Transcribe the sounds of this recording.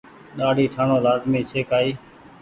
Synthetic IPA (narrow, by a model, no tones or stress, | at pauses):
ɗaːɖʱiːʈʰaːnõːlaːzmiːt͡ʃʰeːkaːiː